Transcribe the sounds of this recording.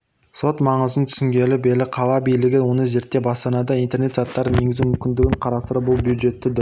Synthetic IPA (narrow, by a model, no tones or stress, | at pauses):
so̞t̪mɑɴəzənt̪ʰʏ̥sɪŋɡʲe̞lɪbelɪqʰɑlˠɑbijlɪɡʲɪwo̞nəze̞ɾt̪ːe̞bɑst̪ɑnɑd̪ɑijnt̪e̞ɾne̞t̪zɑt̪ːɑɾəne̞ɡʲɪzumʏmkʲɪnd̪ɪɡʲɪɴqʰɑɾɑst̪əɾəbʊlˠbjud̪ʒe̞t̪ːɪd̪